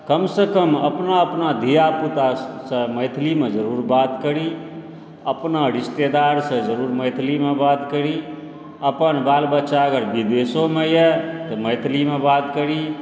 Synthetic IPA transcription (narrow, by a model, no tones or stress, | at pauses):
kəmsekəməpnaəpnad̪ʱijaput̪asə̃məjt̪ʰlimed͡ʒəɾuɾbat̪kəɾi | əpnaɾist̪ed̪aɾsə̃d͡ʒəɾuɾməjt̪ʰlimebat̪kəɾi | əpənbalbətːʃaəɡəɾbid̪esomejɛt̪ɔməjt̪ʰlimebat̪kəɾi